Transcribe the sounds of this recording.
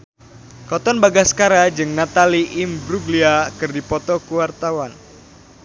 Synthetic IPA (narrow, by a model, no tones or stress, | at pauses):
kɔt̪ɔnbaɡasə̥kaɾad͡ʒɨŋnat̪aliʔɪmbɾuɡliakɨrdipɔt̪ɔkuwart̪awan